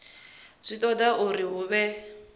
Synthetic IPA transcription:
sʷit̪ʼɔd̪aʔʊɾiɦʊβɛ

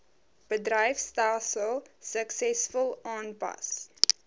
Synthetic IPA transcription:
b̥ədrəjfstaːsəlˠsəksɛsfəlˠɑːnpɐ̰s

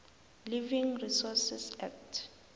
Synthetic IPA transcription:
livĩŋrisɔsisɛk̚tʰ

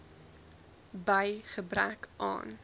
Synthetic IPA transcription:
bəjχəbrækʔɑ̰ːn

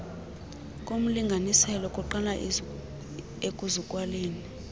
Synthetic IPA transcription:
kʼom̩liŋɡʱanisɛlɔkʼuǃala | ekʼuzukʼwaleːni

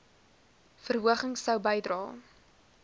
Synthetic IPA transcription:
fərɦuəχəŋsəwbəjdrɑː

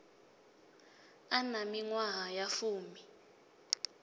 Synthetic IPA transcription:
anamiŋwaɦajafuːmi

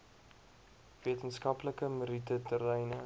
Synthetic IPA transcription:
viətənskɐpləkəməɾitətəɾɛjnə

